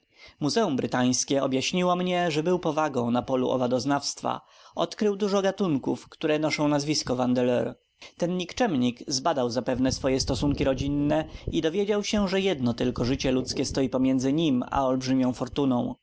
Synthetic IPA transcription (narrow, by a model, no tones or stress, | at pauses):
muzɛumbɾɘt̪aj̃skʲɛɔbjaɕɲiwɔmɲɛʐɛbɘwpɔvaɡɔ̃w̃napɔlṵʔɔ̰vad̪ɔznafst̪fa̰ | ɔt̪kɾɘwd̪uʐɔɡat̪uŋkṵfkt̪uɾɛnɔʂɔ̃w̃nazvʲiskɔvand̪ɛlɛɾ | t̪ɛnɲikt͡ʂɛmɲikzbad̪awzapɛvnɛsfɔjɛst̪ɔsuŋkʲiɾɔd͡ʑinːɛid̪ɔvʲjed͡ʑawɕɛʐɛjɛd̪nɔt̪ɘlkɔʐɘt͡ɕɛlut̪skʲɛst̪ɔjipɔmʲjɛnd̪zɘɲima̰ɔlbʐɘmʲjɔ̃w̃fɔɾt̪unɔ̰̃w̃